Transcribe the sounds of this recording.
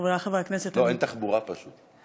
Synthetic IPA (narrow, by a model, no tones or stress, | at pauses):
vaχaveakneset̪oent̪aχbuʁapaʃut̪